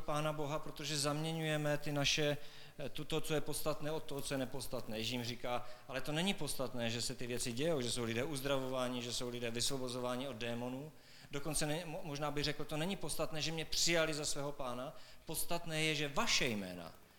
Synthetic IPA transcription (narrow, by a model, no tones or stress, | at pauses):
paːnaboɦapɾo̞t̪o̞ʒɛzamɲɛɲujɛmɛt̪ɪnaʃɛ | t̪ot̪ot͡sojɛpo̞tst̪at̪nɛːo̞t̪̚ːoɦot͡sojɛnɛpo̞st̪at̪nɛːjʒiːmriːkaːʔalɛt̪o̞nɛɲɪpo̞t̪st̪at̪nɛːʒɛsɛt̪ɪvjɛt͡sɪɟɛjowʒɛso̞wlɪdɛːʔuzd̪ɾavovaːɲɪʒɛso̞wlɪdɛːvɪsvo̞bo̞zovaːɲɪo̞d̪̚dɛːmo̞nuː | do̞ko̞nt͡sɛnɛmoʒnaːbɪɣrɛkl̩t̪o̞nɛɲipot̪st̪at̪nɛːʒɛmɲɛpr̥ɪjalɪzasvɛːɦo̞paːnapot̪st̪at̪nɛːjɛʒɛvaʃɛjmɛ̰ːna̰